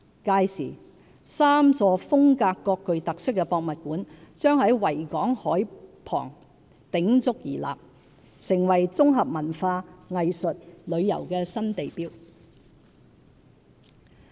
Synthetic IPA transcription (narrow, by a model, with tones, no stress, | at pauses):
kaː˧jsiː˨˩ | saː˥mt͡sɔː˧fʊ˥ŋkaː˧kːɔː˧kːɵ˨ɥt̪ɐ˨k̚sɪ˥kːɛː˧pɔː˧k̚mɐ˨t̚kuː˨˥nt͡sœː˥ŋhɐ˨˥jwɐ˨˩jkɔː˨˥ŋhɔː˨˥jpʰɔ̰ː˨˩ŋ | t̪ɪ˨˥ŋt͡sʊ˥k̚jḭː˨˩la̰ː˨p̚ | sɪ˨˩ŋwɐ˨˩jt͡sʊ˥ŋɦɐ˨p̚mɐ˨˩nfaː˧ŋɐ˨jsɵ˨t̚lɵ˨˧ɥjɐ̰˨˩wkɛː˧sɐ˥nt̪e˨jpiː˥w